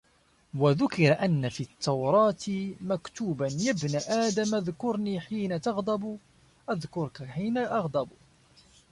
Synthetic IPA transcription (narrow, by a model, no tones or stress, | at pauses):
waðʊkɪɾaʔanːafiːt̪ʰːɑwɾˤɑːt̪makt̪uːbanjabnaʔaːd̪amʔaðkʊɾˤniːħiːnat̪ɑɣd̪ˤɑb | ʔaðkʊɾkaħiːnaʔɑɣd̪ˤɑb